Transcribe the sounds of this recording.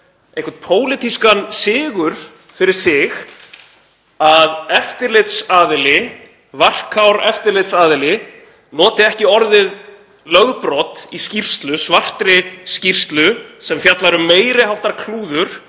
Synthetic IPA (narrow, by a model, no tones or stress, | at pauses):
ẽjhkvaɾt̪pʰoːwlɪt̪ʰiskansɪːɣʏɾ̥ | fɪɾɪɾ̥sɪɣ | aðɛft̪ɪɾlɪt̪saːðɪlɪ | var̥kʰawɾɛft̪ɪɾlɪt̪saːðɪlɪ | nɔːt̪ɪɛhcɪɔɾðɪð | lœɣpɾɔːt̪iscir̥st̪lʏsvar̥t̪ɾɪscir̥st̪lʏsɛmfjat̪laɾʏmeːjɾɪɦawht̪aɾkʰluːðʏɾ̥